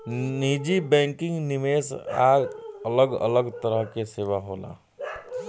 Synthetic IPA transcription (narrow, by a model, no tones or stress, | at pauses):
niːd͡ʒibɛ̃ːŋkɪ̃ŋɡnɪmeːsa̰ːələɡə̰ləɡt̪əɾəɦkeseːʋaɦoːla̰ː